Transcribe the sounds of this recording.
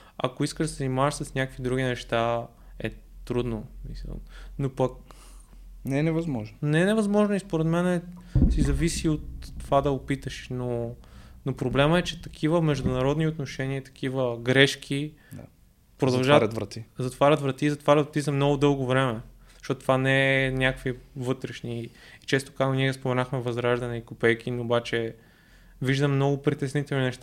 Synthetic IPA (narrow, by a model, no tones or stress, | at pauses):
ɐ̰koiskəʒd̪sɛznimaʃsɐsnʲakəkvid̪ɾuɡ̟inɛʃt̪a | ɛt̪ɾud̪nosmisə̰lˠnopɐk | nɛnɛvɐzmɔʒnonɛnɛvɐzmɔʒnoispoɾɛt̪mɛnɛ | sizɐvisiot̪ːovad̪ɐopit̪əʃnonopɾoblɛməɛt͡ʃɛt̪ɐkʰivəmɛʒd̪ʊnɐɾɔd̪niot̪noʃɛniət̪ɐ̥kivəɡɾɛʃkʰi | pɾod̪ɐɐʒaɾɐvɾɐt̪izɐt̪vaɾʲət̪vɾɐt̪iːzɐt̪vaɾʲət̪vt̪izɐmnɔɡʊd̪ɤlˠɡovɾɛmɛ | ʃɔt̪t̪vanɛɛnʲakkvivɤt̪ɾɛʃniːt͡ʃɛst̪o̥kaniɛspomɛnaxmɛvɐzɾaʒd̪ɐnɛikopɛjkinobat͡ʃɛ | viʒd̪ɐmːnɔɡʊpɾit̪ɛsnit̪ɛlˠninɛʃt̪a